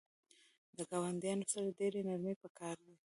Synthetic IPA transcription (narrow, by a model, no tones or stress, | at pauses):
d̪əɡɑwand̪jɑnosaɾɖeɾenaɾmepəkɑɾd̪a